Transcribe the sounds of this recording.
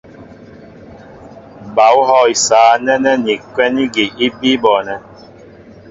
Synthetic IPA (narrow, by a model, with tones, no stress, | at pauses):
ba˨u˦ɦɔ˦˨i˨saː˨˦nɛ˦nɛ˦ni˨kwɛ˦ni˦ɡe˨ʔi˦bi˦bɔ˨nɛ˨